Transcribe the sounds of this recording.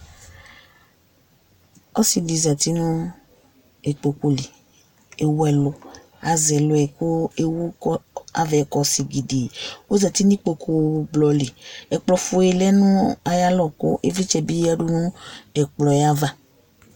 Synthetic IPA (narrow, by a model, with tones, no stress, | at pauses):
ɔ˦si˨li˨za˨ti˦nũ˦ | e˨k͡po˨ku˦li˨ | e˨wu˦ɛ˦lo˦ | a˨zɛ˨lo˨ɛ˨ko˦e˦wu˦kɔ˦a̰˨vɛ˨kɔ˨si˨ɡi˨de˨o˦za˨t̪i˦nĩ˦k͡po˨kʰu˨blɔ˨li˨ɛ˨k͡plɔ˨fu˨ɛ˨lɛ˦nũ˦a˨ja˦lɔ˦˨ko̰˦ʔe˦vi˦t͡ʃɛ˨bi˦ja˦ɖu˦nũ˦ɛ˨k͡plɔ˨ja˦va˦